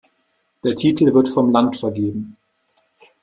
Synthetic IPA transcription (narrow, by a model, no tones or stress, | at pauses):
d̥eːɐtʰiːtl̩vɪɐtfɔmlantfɛɐɡeːbm̩